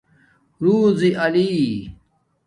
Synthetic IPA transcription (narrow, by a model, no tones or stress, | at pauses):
ɾuːziʔɐli